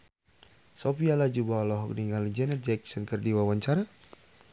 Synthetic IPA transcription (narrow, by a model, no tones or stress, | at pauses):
sɔpialad͡ʒubalɔɦɔk̚niŋalid͡ʒɛnɛrd͡ʒɛksɔnkərdiwawaɲt͡ʃaɾa